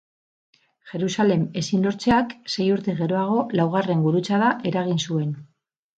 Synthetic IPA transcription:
ʝe̞ɾusale̞me̞sinlo̞ɾt͡se̞akse̞juɾt̪eɣe̞ɾo̞aɣ̞o̞lawɣ̞are̞ŋɡuɾut͡saðaʔe̞ɾaɣ̞insue̞n

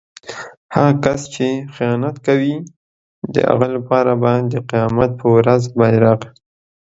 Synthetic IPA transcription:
haɣkast͡ʃexijɑnat̪kawi | d̪ə̰a̰ɣalapɑɾabad̪əqijɑmat̪̚pʰəwɾazbɑɾɑqi̥

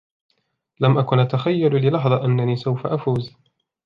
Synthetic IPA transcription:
lamʔakʊnʔat̪axajːallɪlɑħðˤɑʔanːaniːsawfaʔafuːz

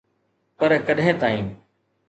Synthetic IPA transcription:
pɐɾkɐɗɦɪ̃ːt̪aːĩː

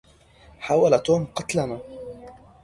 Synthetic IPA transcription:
ħaːwalat̪oːmqɑt̪lama

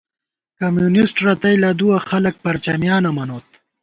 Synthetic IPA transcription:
kɐmjunisʈɾɐt̪ɐjlɐd̪uwɐxɐlɐk̚pɐɾt͡ɕɐmjaːnɐmɐnoːt̪̚

